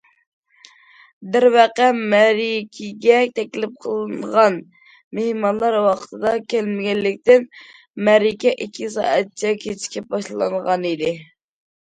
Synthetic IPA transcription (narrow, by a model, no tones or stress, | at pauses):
bɪɾwɛqɛmɛɾikʲʰiɡʲɛt̪ʰɛkʲlɪp̚qʰəlˠɨnʁɑn | mehmɑnlˠɑɾwɑqʰə̥t̪ʰɨd̪ɑkʲʰelmɪɡʲɛllɪk̚ʲt̪ɪn | mɛɾikʲɛʔikʲʰːisɑ̰ːɛt̪̚t͡ʃʰɛkʲʰet͡ʃʰi̥kʲip̚bɑʃllˠɑ̰ŋʁɑnid̪ɪ